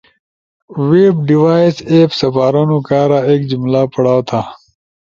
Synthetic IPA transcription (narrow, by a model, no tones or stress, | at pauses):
weːbɖiwaːiseːpsɐfaːɾoːnukaːɾaeːkd͡ʑumlaːpɐɽaːwt̪ʰaː